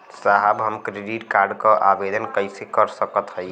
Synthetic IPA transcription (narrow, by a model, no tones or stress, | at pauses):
saɦəbɦəmkɾeɖiʈkaɾɖkəʔabed̪ənkəɪsekəɾsəkət̪ɦəj